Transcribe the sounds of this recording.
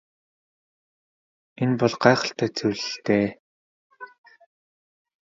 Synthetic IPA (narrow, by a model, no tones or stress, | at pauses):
enpɔɮɢaːχə̆ɬt̪æːt͡sʰɵwɮɘ̆ɬt̪eː